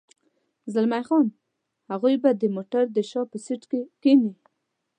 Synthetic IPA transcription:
zalmajxɑn | haɣujbad̪əmoʈaɾd̪əʃɑpəsiʈkekeni

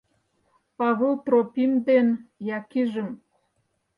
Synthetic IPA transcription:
pɑβelt̪ropimd̪enjɑkiʒə̆m

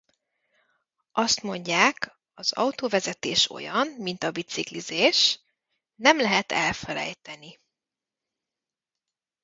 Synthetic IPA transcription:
ʔɒst̪mo̞ɲɟaːk | ɒzɒ̰ut̪oːvɛzɛt̪eːʃo̞̰jɒnmint̪ɒbit̪siklizeːʃ | nɛmlɛɦɛt̪ɛlfɛlɛ̰jt̪ɛni

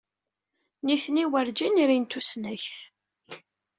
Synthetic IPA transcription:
niθniwəɾd͡ʒiniɾint̪usnæçθ

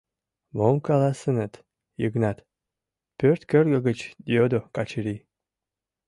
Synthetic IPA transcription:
momkalˠasɨnət̪ | jɨɡnat̪ | pʲørt̪kərɡəɡət͡ʃd̪iod̪okat͡ʃʰiɾi

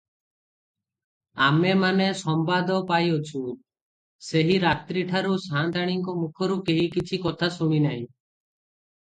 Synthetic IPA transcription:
amemanesɔmbad̪ɔpajot͡ʃʰu | seɦiɾat̪ɾiʈʰaɾusant̪aɽ̃iŋkɔmukʰɔɾukeɦikit͡ʃʰikɔt̪ʰasuɽ̃inaɦḭ̃

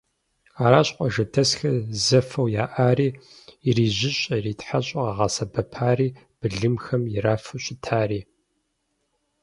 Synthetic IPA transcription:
aːɾaːɕqʷʼɔʒɐtʰɐsxɐzɐfɐwjaːʔaːriːɪriːʑɪɕʼɐriːtħaɕʼɐʁɐʁɑsɐbɐpʰaːriː | b̥ɨɮɨmxɐmjɪraːfɨɕʷʼɪtʰaːriː

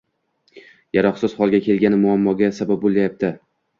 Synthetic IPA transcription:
jaɾɒχsɪz̥hɒlˠɡʲakʲe̞lɡʲanɪmʊamːɒɡʲasabab̚bolˠajap̚t̪ʰɪ

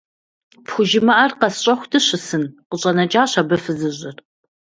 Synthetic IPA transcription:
pxʷʊʒɪmɐʔɐrqɐsɕʼɐxʷdʰɨɕɪsɨnqəɕʼɐnɐt͡ʃʼaːɕɐbɐfɨzɨʑʼɪr

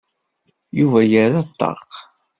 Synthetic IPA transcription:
juvæjəɾat̪ˤːɑ̰q

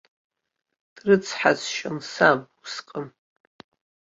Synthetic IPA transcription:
d̥rɨt͡sʰħazʃansabusqʼəm

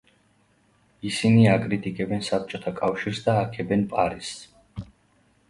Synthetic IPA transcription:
isiniakʼɾit̪ʼikʼɛbɛnsap̚t͡ʃʼɔt̪ʰakʼafʃiɾsd̪aːkʰɛbɛnpʼaɾis

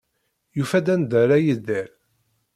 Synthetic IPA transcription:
jufæd̪ænd̪əɾæjəzd̪æɾ

